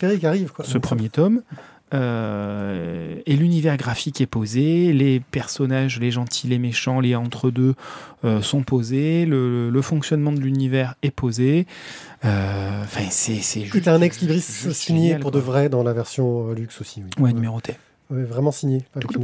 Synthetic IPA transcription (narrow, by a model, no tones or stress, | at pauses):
peʁikaʁivkwasəpχəmjet̪ɔm | ø | elynivɛʁɡʁafikɛpozelepɛʁsɔnaʒleʒɑ̃t̪ʰilemeʃɑ̃leɑ̃t̪χəd̪øøsɔ̃pozelələləfɔ̃ksjɔnmɑ̃d̪əlynivɛʁɛpoze | øɑ̃fɛ̃sɛsɛʒuɛɛ̃nɛkslibʁissiɲjelpuʁd̪əvʁɛd̪ɑ̃lavɛʁsjɔ̃ølyksosi̥wiwɛnymeʁot̪ʰe | wɛvʁɛmɑ̃siɲjean